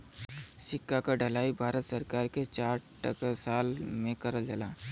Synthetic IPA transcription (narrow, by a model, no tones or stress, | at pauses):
sɪkːakaɖʱəlaːibʱaːɾət̪səɾkaːɾket͡ʃaːɾʈə̰kasaːlmẽkəɾəld͡ʒəlaː